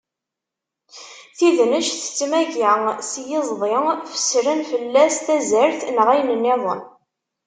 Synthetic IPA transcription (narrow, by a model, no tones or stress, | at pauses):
θiðnəʃθə̥t͡sːmæʝəsjɪzˤðˤefə̥sɾənfəlːæst̪æzəɾθnʁˤæjnənːɪðˤə̰n